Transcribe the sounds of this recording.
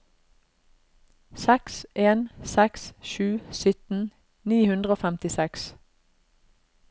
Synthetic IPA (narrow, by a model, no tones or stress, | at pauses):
sɛksʔeːnsɛksʃʉːsʏt̪n̩ | niːhʉnd̪ʁəoːfæmt̪ɪsɛks